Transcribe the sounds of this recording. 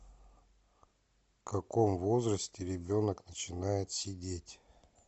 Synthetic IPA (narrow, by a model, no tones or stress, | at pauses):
fkɐko̞mvo̞zrəsʲtʲɪɾʲɪbʲo̞nəknət͡ɕɪnajɪt̪sʲɪdʲetʲ